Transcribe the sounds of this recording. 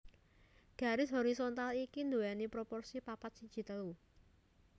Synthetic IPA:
ɡ̥ä̤ɾɪsɦoɾisont̪alikind̪uɛnipɾopɔrsipapat̪̚si̥d͡ʒ̥i̤t̪əlu

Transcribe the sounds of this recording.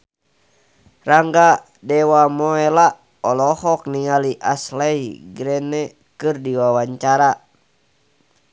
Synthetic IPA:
raŋɡa | dɛwamɔɛla | ɔlɔhɔk̚niŋaliʔaslɛiɡɾɛnɛ | kɨrdiwawaɲt͡ʃaɾa

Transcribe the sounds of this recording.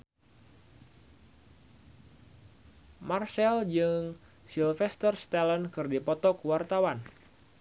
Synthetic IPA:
marsɛld͡ʒɨŋ | silfɛst̪ərst̪alənkɨrdipɔt̪ɔkuwart̪awan

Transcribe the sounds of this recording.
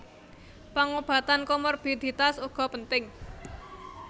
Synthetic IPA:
paŋob̥ä̤t̪ankɔmɔrb̥id̪̥it̪asuɡ̥ɔ̤pənt̪ɪŋ

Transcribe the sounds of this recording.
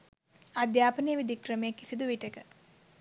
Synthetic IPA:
ad̪jaːpənejəʋid̪ikrəmejekːisid̪uʋiʈekə

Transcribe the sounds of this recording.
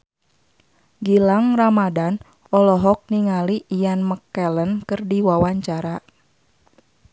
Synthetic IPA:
ɡilaŋramadan | ɔlɔɦɔk̚niŋaliʔːjanməkːɛlənkɨrdiwawaɲt͡ʃaɾa

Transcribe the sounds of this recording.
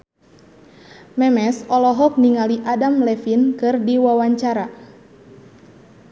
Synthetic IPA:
mɛmɛsɔlɔɦɔk̚niŋaliʔadamlɛfinkɨrdiwawaɲt͡ʃaɾa

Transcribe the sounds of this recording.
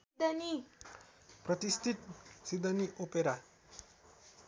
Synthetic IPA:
d̪əni | pɾʌt̪ist̪ʰit̪sid̪əniʔopeɾa

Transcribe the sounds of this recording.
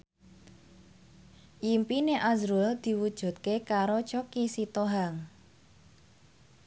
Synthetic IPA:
jimpineʔazɾuld̪̥i̤wud̥ʒ̥ṳt̪̚kekaɾot͡ʃokisit̪oɦaŋ

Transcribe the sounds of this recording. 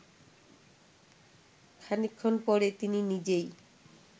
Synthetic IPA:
kʰanikʰːonpɔɾet̪ininid͡ʑej

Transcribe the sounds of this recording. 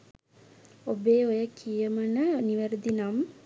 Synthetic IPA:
obeːojəkʰijəmənəniʋəɾd̪inam

